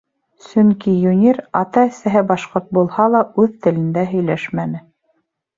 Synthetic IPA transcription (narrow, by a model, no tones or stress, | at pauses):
sɵŋkijunʲiɾɑt̪ɑæsæɦɘbɑʃqoɾt̪̚bulˠhɑlˠɑʉðt̪ɘ̆lɘ̆nd̪æɦɵ̆jlæʃmænɘ